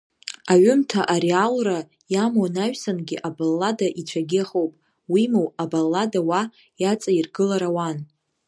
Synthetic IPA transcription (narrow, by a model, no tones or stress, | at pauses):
aɥʊmtʰaʔaɾealra | jamonaɥᶣsanɡʲɪʔabalːadaʔit͡ʃʷʰaɡʲeχowpʼ | wimowabalːadawa | jat͡sʼairɡɨlaɾawan